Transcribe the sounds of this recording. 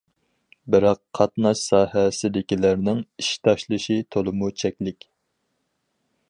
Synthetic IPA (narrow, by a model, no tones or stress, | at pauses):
bɪɾɑqʰːɑt̪nɑʃsɑːhɛsɪd̪ɪkʲilæɾnɪŋiʃt̪ʰɑʃlˠɨʃit̪ʰolˠɨmut͡ʃʰɛkʲlɪkʲ